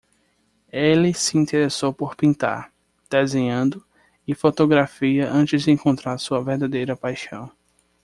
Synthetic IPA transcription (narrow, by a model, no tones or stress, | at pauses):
elɪsɪĩnt̪eɾesowpoɾpĩnt̪a̰ɾ | d̪̥ezẽɲɐ̃nd̪ʊ | ɪfot̪oɡɾafiɐʔɐ̃t͡ʃɪzd̪ɪẽŋkõnt̪ɾaɾsuɐveɾd̪ad̪ejɾɐpajʃɐ̰̃w̃